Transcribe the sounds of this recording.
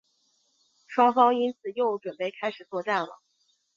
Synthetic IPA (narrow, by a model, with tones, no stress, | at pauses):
ʂwɑ˥ŋfɑ˥ŋi˥nt͡sʰɹ̩˨˩jo˥˩ʊʈ͡ʂwə˨˩npe˥˩ɪkʰa˥ɪʂɻ̩˨˩t͡swɔ˥˧ʈ͡ʂa˥˩nlə̰˩